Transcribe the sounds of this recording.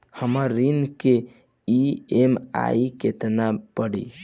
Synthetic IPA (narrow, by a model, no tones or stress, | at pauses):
həməɾːinke | iema̰iket̪nabəɽḭ